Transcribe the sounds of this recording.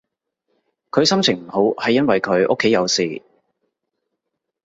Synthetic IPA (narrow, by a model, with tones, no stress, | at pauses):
kʰɵ˨˧ɥsɐ˥mt͡sʰɪ˨˩ŋm̩˨˩ho˨˥whɐ˨jːɐ˥nwɐ˨jkʰɵ˨˧ɥʔo˥kʰːe˨˥jɐ˨˧wsiː˨˩